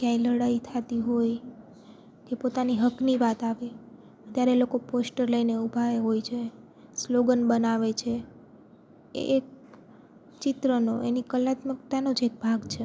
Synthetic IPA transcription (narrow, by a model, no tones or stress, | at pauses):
kjãjləɽait̪ʰat̪iɦoj | kepot̪aniɦəkniʋat̪aʋe | ət̪jaɾelokoposʈəɾləineubʱaeɦojt͡ʃʰe | sloɡənbənaʋet͡ʃʰe | ḛʔːk̚ | t͡ʃɪt̪ɾənoʔenikəlat̪məkt̪anod͡ʒek̚bʱaɡt͡ʃʰe